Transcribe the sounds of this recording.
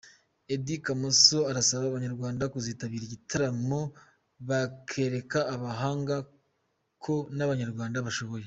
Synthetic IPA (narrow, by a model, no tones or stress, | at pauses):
e̞dikamoso̞aɾasaβaːβaɲaɾɡwaːndakuziːtaβiːɾiɟitʰaɾamo | βakʰe̞ːɾe̞kaːβaɦaːŋɡa | kʰo̞naβaɲaɾɡwaːndaβaʃo̞βo̞je̞